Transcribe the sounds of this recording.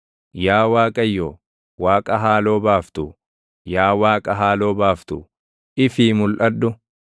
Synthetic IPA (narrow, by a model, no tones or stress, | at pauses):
jaːwaːkʼɐjːoː | waːkʼɐɦaːlo̞ːbaːft̪ʊ | jaːwaːkʼɐɦaːlo̞ːbaːft̪ʊ̰ | ɪfiːmʊlʔɐdːʊ